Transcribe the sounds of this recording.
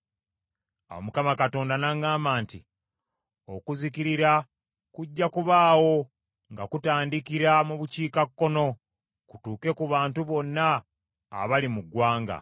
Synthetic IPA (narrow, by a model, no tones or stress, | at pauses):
a̰wo̰mukamakato̞ːndanaŋɡaːmaːnti | o̞kuzikiɾiɾa | kuɟːakuβaːwo̞ | ŋɡakutaːndikiɾamuβuciːkakːo̞no̞ | kutuːke̞kuβaːntuβo̞nːa̰ː | βalimuɡwaːŋɡa̰